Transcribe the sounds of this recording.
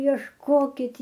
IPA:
iɛʃˈkoːkʲɪt

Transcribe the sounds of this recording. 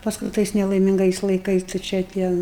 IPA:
pɐsˈkʊɪ ˈtɐɪs nʲɛlˠɐɪˈmʲɪŋɡɐɪs lˠɐɪˈkɐɪs tɐɪ ˈt͡ʃʲɛ ˈtʲiɛ

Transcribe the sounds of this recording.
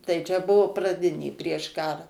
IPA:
tɐɪ t͡ʃʲɛ ˈbʊʋʊ prɐˈdʲɪnʲeː pʲrʲiɛʃ ˈkɑːrɐ

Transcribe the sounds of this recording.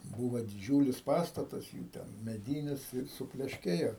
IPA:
ˈbuːʋoː dʲɪˈd͡ʒʲuːlʲɪs ˈpɑːstɐtɐs juː ˈtʲɛn mʲɛˈdʲiːnʲɪs ɪr sʊpʲlʲɛʃʲˈkʲeːjoː

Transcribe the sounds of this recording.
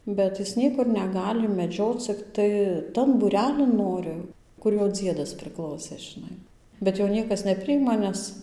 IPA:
ˈbʲɛt ˈjɪs ˈnʲiɛkʊr nʲɛˈɡɑːlʲɪ mʲɛˈd͡ʒʲoːt͡s t͡sʲɪkˈtɐɪ ˈtɐn buːˈrʲæːlʲɪn ˈnoːrʲɪ ˈkʊr ˈjoː ˈd͡zʲiɛdɐs pʲrʲɪˈklˠɐʊsʲeː ʒʲɪˈnɐɪ bʲɛt ˈjoː ˈnʲiɛkɐs nʲɛˈpʲrʲɪjɪmɐ ˈnʲɛs

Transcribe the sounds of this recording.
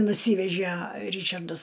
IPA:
nʊˈsʲiːʋʲɛʒʲæ ˈrʲiːt͡ʃɐrdɐs

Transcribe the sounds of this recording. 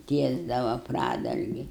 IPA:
ˈtʲiɛzdɐʋɐ ˈprɑːdɐlʲɡʲɪ

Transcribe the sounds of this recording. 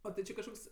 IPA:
ˈoː tʲɪ ˈt͡ʃʲɪ kɐʃˈkoːks

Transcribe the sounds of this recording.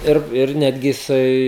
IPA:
ˈɪr ˈɪr ˈnʲæːdʲɡʲɪ jɪˈsɐɪ

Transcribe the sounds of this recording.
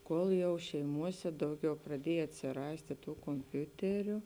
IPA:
ˈkoːlˠ jɛʊ ʃʲɛɪˈmuɔsʲɛ ˈdɐʊˌɡʲɛʊ prɐˈdʲiɛj ɐtʲsʲɪˈrɑːsʲtʲeː ˈtuː koːmʲˈpʲʊtʲɛrʲʊ

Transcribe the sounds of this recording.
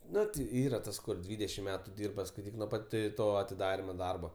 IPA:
ˈnʊ tʲɪ ˈiːrɐ ˈtɐs kʊr ˈdʲʋʲiːdʲɛʃʲɪm ˈmʲæːtʊ ˈdʲiːrbɐ skɐɪˈtʲiːk nuɔ ˈpɐt ˈtoː ɐtʲɪˈdɑːrʲɪmoː ˈdɐrboː

